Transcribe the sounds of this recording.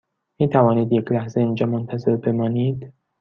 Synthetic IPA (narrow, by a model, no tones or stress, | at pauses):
miːt̪ʰævɒːniːd̪jecʰlæhzeiːnd͡ʒɒːmont̪ʰæze̞ɾbe̞mɒːniːd̪